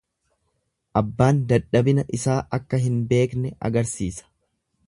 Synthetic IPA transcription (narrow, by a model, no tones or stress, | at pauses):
ʔɐbːaːnd̪ɐᶑɐbɪnɐʔɪsaːʔɐkːɐɦɪnbe̞ːknɛɐ̰ɡɐɾsiːsɐ̥